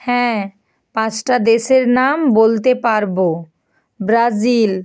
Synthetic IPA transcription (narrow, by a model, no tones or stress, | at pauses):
hɛ̃ː | pãt͡ʃʈad̪eʃeɾnambolt̪epaɾbo | bɾazil